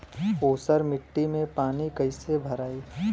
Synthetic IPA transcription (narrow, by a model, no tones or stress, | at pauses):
oːsəɾmɪʈːimẽpaːnikɐɪsebʱɐɾaːiː